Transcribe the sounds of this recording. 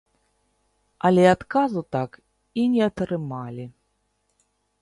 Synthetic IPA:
ɐlʲɛat̪kazut̪ak | inʲɛɐt̪ɾɨmalʲi

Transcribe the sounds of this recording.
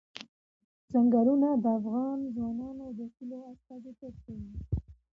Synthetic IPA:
zaŋɡaɾunad̪əafɣɑnzwɑnɑnod̪əxiloast̪ɑzet̪eɾkawi

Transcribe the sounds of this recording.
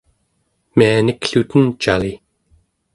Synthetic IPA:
mianikɬut̪ənt͡ʃali

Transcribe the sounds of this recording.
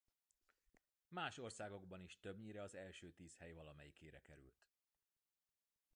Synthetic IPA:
maːʃo̞rsaːɡo̞ɡbɒniʃt̪øbɲiɾɛɒzɛlʃøːt̪iːshɛjvɒlɒmɛjikʰeːɾɛ̰kɛɾy̰lt̪

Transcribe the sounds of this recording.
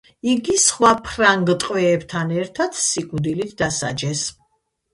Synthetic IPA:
iɡisχwapʰɾaŋɡt̪ʼqʼwɛːbt̪ʰanɛɾt̪ʰat̪ʰsikʼud̪ilit̪ʰd̪asa̰d͡ʒɛs

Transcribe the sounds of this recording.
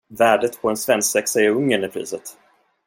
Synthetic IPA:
væːɖət̪pʰɔɛnsvɛnsksɛksɛjəɾɵŋːənɪpʰɾḭːsət̪

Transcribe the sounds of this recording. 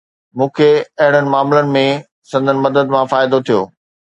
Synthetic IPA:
mũːkʰeɐɦɪɽ̃ənɪ̆maːmlənɪ̆mẽ | sɐ̃nd̪ʱənɪ̆mɐd̪əd̪mãfaːɪd̪ot̪ʰijoː

